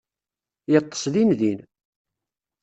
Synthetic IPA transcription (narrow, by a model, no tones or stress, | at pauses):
jət̪ˤːə̥slinðin